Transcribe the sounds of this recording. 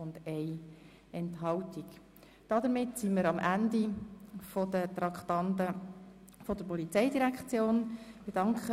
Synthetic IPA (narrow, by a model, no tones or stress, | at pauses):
ʊnd̪ɛj | ɛntɦɑltik | d̥ɑd̪əɾmɪtsiməɾɑmʔænd̪ifod̪ət̪ɾɑkt̪ɑnt̪ə | fɔd̥əɾpɔlit͡sɛɪdiɾækt͡sjoːnb̥ed̥ɑŋkχə